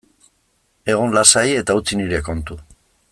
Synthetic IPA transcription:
e̞ɣ̞onlasaje̞t̪aut͡siniɾe̞ko̞nt̪u

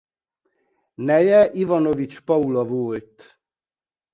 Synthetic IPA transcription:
nɛjɛʔivɒnovit͡ʃpɒulɒvoːlt̪

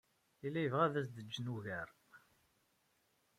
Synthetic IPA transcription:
ilːæjəvʁæðæs̬d̪əd͡ʒːənuʝæɾ

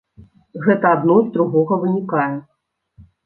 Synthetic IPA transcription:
ɣɛt̪ɐad̪nɔjzd̪ɾuɣɔɣɐvɨnʲikajɛ

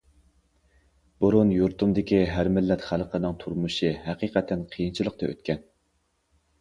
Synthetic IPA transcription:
b̥uɾunjuɾt̪ʰumd̪ɪkʲiɦæɾmɪlːɛt̪χælˠqʰənɨŋt̪ʰuɾmuʃɨɦæqiːqɛt̪ʰːɛnqʰijint͡ʃʰilˠəq̚t̪ɑø̰t̪kʲɛn

